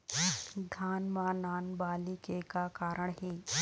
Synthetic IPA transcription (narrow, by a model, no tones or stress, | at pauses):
d̪ʱaːnmanaːnbaːlikekakaːɾʔəɳɦeː